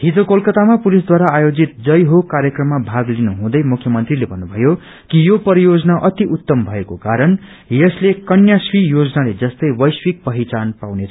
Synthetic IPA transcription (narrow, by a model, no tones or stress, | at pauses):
ɦit̪okolkʌt̪amapulisd̪waɾaːjod͡zit̪̚d͡zʌjɦokaɾjʌkrʌmːabʱaɡlinuɦũd̪ʌjmukʰːjʌmʌnt̪rilebʱʌnːubʱʌjo | kijopʌɾijod͡zʌnaʔʌt̪iʔut̪ːʌmbʱʌekokaɾʌn | jʌslekʌnjaswijod͡zʌnaled͡zʌst̪ʌjwʌjswik̚pʌɦit͡sanpawnet͡sʰʌ